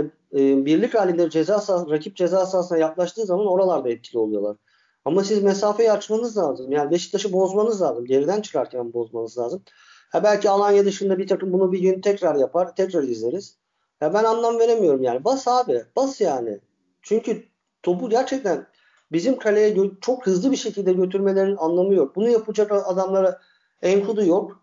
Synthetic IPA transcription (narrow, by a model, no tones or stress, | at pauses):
biɾlʲicɾaːlʲind̪ɛd͡ʒezaːsaɾacʰip̚d͡ʒe̞zaːsaːsɯnajaklˠaʃt̪ɯːzamano̞ɾalˠaɾd̪aɛt̪̚cʰilʲio̞lˠujo̞lˠaɾ̥ | amas̬izmes̬aːfejɛat͡ʃmanɯzlˠaːzɯmjaːnibe̞ʃi̥t̪ʰːaʃɯbo̞zmanɯzlʲˠaːzɯmɟe̞ɾid̪ænt͡ʃʰɯ̥kaɾcʰænbo̞zmanɯzlʲˠaːzɯm | habælʲcʰialˠanjad̪ɯʃɯnd̪abiɾt̪ʰakɯmbunubiɟønyt̪ʰɛcɾaɾjapʰaɾt̪ʰɛcɾaɾizlʲe̞ɾiz̥ | jabænanlˠamve̞ɾe̞mijo̞ɾumjaːnibasaːbɪb̥asjaːnɪ̰ | t͡ʃʰyɲcʰy | t̪ʰo̞buɟæɾt͡ʃʰɛc̚t̪ʰæn | bizimkʰalʲejɛt͡ʃʰo̞khɯzlˠɯbiʃe̞cʰilʲd̪ɛɟø̞t̪ʰyɾme̞lʲeɾinianlˠamɯjok̚bunujapʰɯd͡ʒakaad̪amlˠaɾa | ɛnkʰud̪ujok